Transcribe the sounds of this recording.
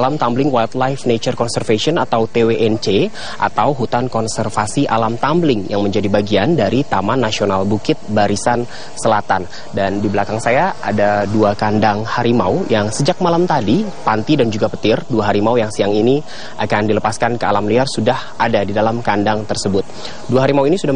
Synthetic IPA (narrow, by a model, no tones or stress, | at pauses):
alamt̪amblɪŋwalt̪̚lajfnet͡ʃərkɔnsɛrfesiɔnat̪awt̪eweʔɛnt͡ʃe | ʔa̰t̪awɦut̪ankɔnsɛrfasiʔalamt̪amblɪŋjaŋməɲd͡ʒadibaɡiandaɾit̪amanːasionalbukɪt̪̚baɾisan | səlat̪an | dandibəlakaŋsajaadaduakandaŋhaɾima̰ujaŋsəd͡ʒak̚malamt̪adipant̪idand͡ʒuɡapə̥t̪ɪrduaɦaɾimaujaŋsiaŋini | ʔakandiləpaskankəalamliarsudahʔadadidalamkandaŋt̪ərsəbʊt̪̚ | duaɦaɾimauinisudah